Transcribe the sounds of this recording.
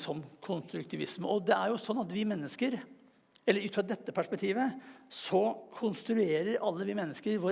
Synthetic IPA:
sɔmkʰʊnst̪ɾʉk̚t̪ʰɪʋɪsmɔd̪ɛæɾjʊsɔnːɑt̪ʋɪmɛnːəskəɾ | ɛlːəɾʉːfɾɑd̪ɛt̪ːəpʰæʂpɛk̚t̪ʰiːʋəsɔkʰʊnst̪ɾʉeːɾəɾʔɑlːəʋɪmɛnːəskəɾʋʊ

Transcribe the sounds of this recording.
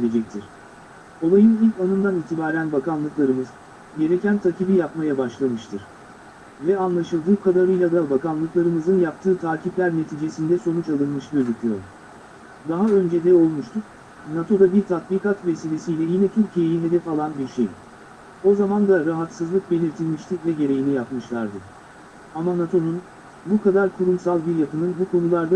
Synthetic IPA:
elʲed͡ʒɛc̚t̪ʰiɾ̥ | o̞lˠajɯnilʲcanɯmd̪aniːt̪ʰibaːɾænbakanlˠɯklˠaɾɯmɯz̥ | ɟe̞ɾecʰænt̪ʰacibijapmajabaʃlˠamɯʃt̪ʰɯɾ̥ | vɛanlˠaʃɯlˠd̪ɯːkʰad̪aɾɯjlˠad̪abakanlˠɯklˠaɾɯmɯzɯnjap̚t̪ʰɯːt̪ʰaːcʰiplʲæɾne̞t̪ʰiːd͡ʒe̞sind̪ɛso̞nut͡ʃalˠɯnmɯʃɟøzykʰʲyjoɾ | d̪aɦaø̞nd͡ʒed̪ɛo̞lˠmuʃt̪ʰuk | nat̪ʰo̞d̪abiɾt̪ʰat̪̚biːkat̪ve̞siːlʲe̞sijlʲɛjinɛt̪ʰyɾcʰije̞jiɦe̞d̪ɛfalˠanbiɾʃej | o̞zamand̪aɾaɦat̪sɯzlˠɯk̚be̞lʲiɾt̪ʰilʲmiʃt̪ʰivɛɟe̞ɾe̞jinʲijapmɯʃlˠaɾd̪ɯ | amanat̪ʰo̞nun | bukʰad̪aɾkʰuɾumsalˠbiɾjakɯnɯnbukʰo̞nulˠaɾd̪a

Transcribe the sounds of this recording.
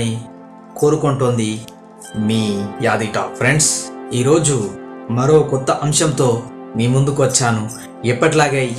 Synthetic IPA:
i | ko̞ːɾukoɳʈoːnd̪i | miːjaːd̪iʈa̰ːk̚pʰɾeɳɖsiːɾo̞ːd͡ʒumɐɾo̞ːkɔt̪ːɐʔɐmʃɐmt̪o̞ː | miːmund̪ukuʋɐt͡ʃːaːnu | ɛpːɐʈilaːɡaː

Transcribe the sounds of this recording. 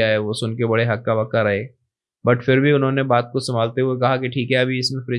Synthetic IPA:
aɦɛʋosʊnkebɐɽeɦɐk̚kːaʋɐkːaɾɐɦeː | bɐʈfɪɾbʱiʊnɦõːnebaːt̪̚kosɐmaːlt̪eɦʊekɐɦakiʈʰiːkɦɛɐbʱiɪsmẽfɾɪ

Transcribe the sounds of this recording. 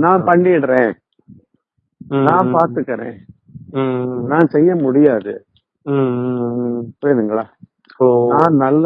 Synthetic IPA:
nãːpɐɳɖɪɽɾẽː | nãːpaːɾt̪ɯkːɐɾḛ̃ː | nãːsɛjːɐmʊɽɪjaːðɯ̰ | pojðɯŋɡɐɭaː | nãːnɐlː

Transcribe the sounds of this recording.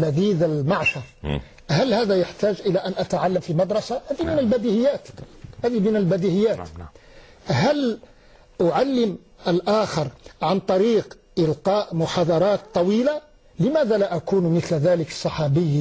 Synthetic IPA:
læd̪iːd̪əlmaʕʃɑɾˤ | hælhæːd̪æjaħt̪æːʒʔəlæʔænʔæt̪aʕalːamfimɑd̪ɾˤɑsaʔæd̪imɪnəlbæd̪ihɪjːæːt̪ʔæd̪imɪnəlbæd̪iʔɪjːæːt̪ | ɦæl | ʔʊʕalːəm | əlʔaːxəɾˤʕant̪ˤɑɾiːq | ʔɪlqɑːʔmʊħɑd̪ˤɑɾˤɑːt̪ˤːɑwiːla | lɪmæːd̪ælaʔakuːnmɪt̪lðæːləksˤːɑħɑbəjː

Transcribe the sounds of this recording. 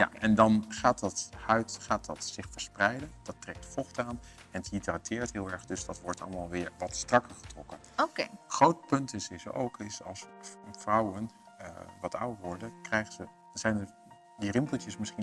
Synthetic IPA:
ja̰ɛndɑnχaːtdɑthœɥtχaːt̚dɑtsɪχfəɹsprɛjdənd̥ɑtrɛk̚tfɔχtaːn | ɛnəthitratʰɪːɹtɦɪːlˠɛɹdɵzd̥ɑtʋɔɹtɑ̰lˠəmaːlˠʋɪːɹʋɑtstrɑkəɹχə̥trɔkənokeχrowtpɵntɪsɪso̰wkʰɪsɑ̰lˠsvrʌwən | ʋɑtʰa̰wəɹʋɔɹdəkrɛjχəzə | z̥ɛjnə | dirɪmpəl̩ˠtjəsmɪsχin

